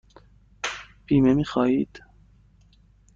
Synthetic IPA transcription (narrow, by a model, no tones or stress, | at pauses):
piːmɛmixɑːid̪